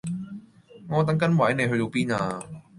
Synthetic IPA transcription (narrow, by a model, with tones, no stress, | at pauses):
ŋɔː˨˧t̪̬ɐ˨˦˥ŋkɐ˨˥nwɐ˨˥jne˨˧jɦɵ˧t̪o˨˧wpiː˥naː˧